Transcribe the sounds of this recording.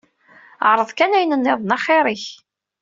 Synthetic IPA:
ʕɾˤəðˤkænæjnənːɪðˤnɑχɪɾˤiç

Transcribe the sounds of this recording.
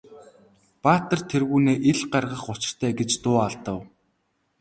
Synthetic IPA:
paːt̪ə̆rt̪ʰerɣuːneːʔeɮɢarʁə̆χʊt͡ɕɪ̥̆r̥t̪ʰæːɡet͡ɕt̪ʊːaɮt̪ə̆w

